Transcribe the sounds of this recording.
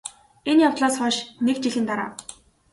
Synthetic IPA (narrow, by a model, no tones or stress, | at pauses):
enjawt̪ɮaːsχaːʃnekt͡ɕiɮɘ̆nt̪aɾa̰ː